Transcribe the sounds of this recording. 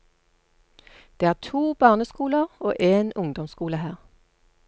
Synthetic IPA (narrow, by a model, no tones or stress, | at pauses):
d̪̥eːæːʁt̪ʰuːbɑːʁnəskuːləʁo̰ːʔeːnʊŋd̪ɔmskuːləhæːʁ